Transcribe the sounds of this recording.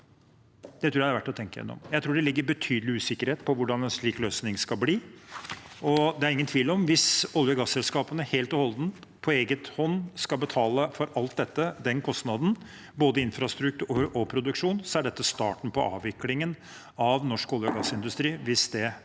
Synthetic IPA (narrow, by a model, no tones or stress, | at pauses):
d̪ɛt̪ʰɾuːææɑʋæʈːɔt̪ʰɛŋkəjɛ̰nːɔ̰mjæɪɾuːɖɛlɪɡːəɾbət̪ʰyːd̪əlɪʉːsɪkːəɾheːt̪̚pʰɔʋʊɖɑnɛnʂɭiːkløːsnɪŋskɑlbliː | ɔd̪ɛæɾɪŋːənt̪ʰʋiːlɔmʋɪsɔljəɡɑsːɛlskɑːpənəheːlt̪ɔhɔlˠd̪n | pʰɔeːɡət̪hɔnːskɑlbət̪ʰɑːləfɔɾɑlt̪̚d̪ɛt̪ːəd̪ɛnkʰɔst̪nɑd̪n̩ | boːd̪əɪnfɾɑst̪ɾʉk̚t̪ʉʉːɾʔɔpʰɾʊd̪ʉkʂuːnsɔæɖɛt̪ːəst̪ɑ̰ːʈn̩pʰɔʔɑ̰ːʋɪklɪŋən | ɑʋnɔʂkɔljəɡɑsːɪnd̪ʉst̪ɾiːʋɪsd̪ɛ